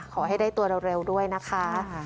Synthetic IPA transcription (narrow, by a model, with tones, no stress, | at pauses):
kʰɔː˨˩˦ɦa˥˩jdaː˥˩jt̪u˧ɐɾo˧wɾe˧wdu˥˩əjna˦˥kʰa˦˥